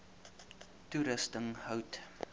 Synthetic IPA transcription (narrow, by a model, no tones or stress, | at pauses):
tuɾəstəŋhəwt